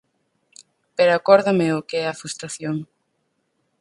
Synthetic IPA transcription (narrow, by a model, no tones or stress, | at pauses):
peɾakɔɾðameʊkeɛɐfɾust̪ɾaθjoŋ